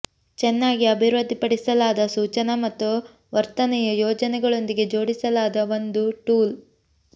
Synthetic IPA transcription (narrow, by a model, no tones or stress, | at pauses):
t͡ʃɛnːaːɡiɐbʱiɾɐd̪ʱːipɐɽisɐlaːd̪ɐsuːt͡ʃɐnɐmɐt̪ːu | ʋɐɾt̪ɐnɛjɐjɔːd͡ʒɐnɛɡɐɭo̞nd̪iɡe̞d͡ʒo̞ːɽisɐlaːd̪ɐʋo̞nd̪uʈuːl